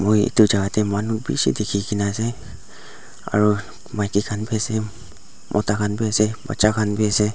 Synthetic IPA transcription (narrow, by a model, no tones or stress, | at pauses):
mʊjḭtʊzaɡatɛmanubḭsḭdekʰikinasɛ | a̰ɹu | majkikʰanbiasɛ | mʔɔ̰takʰanbiasɛba̰sakʰanbiasɛ